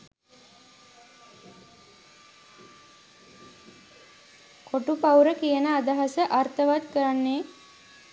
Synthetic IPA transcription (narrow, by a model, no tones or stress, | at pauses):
kʰoʈupawɾəkijənəad̪aɦasəʔart̪əʋat̪kəɾanːe